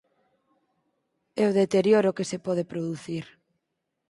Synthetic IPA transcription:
ewðet̪eɾjoɾokesepɔð̞epɾoðuθiɾ

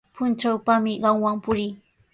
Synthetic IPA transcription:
pʊnt͡ʃawpamɪɢɑŋwaŋpʊɾɪ

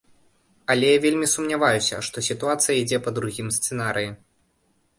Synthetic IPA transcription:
ɐlʲɛjavʲelʲmʲisumnʲavajusʲɐ̰ʂt̪ɔsʲit̪uat̪sɨjɐid͡zʲɛpɐd̪ɾuɣʲimst̪sɨnaɾɨji

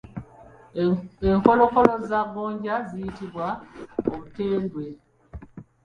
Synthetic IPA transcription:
eŋko̞lo̞ko̞lo̞zaβoːɲɟazijitiβwaoβuteːndwe̞

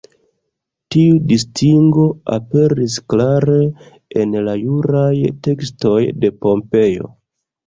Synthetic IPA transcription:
tiudistʰiŋɡo̞a̰pe̞ɾisklaɾe̞ | enlajuɾajte̞ksto̞jde̞po̞mpe̞jo̞̰

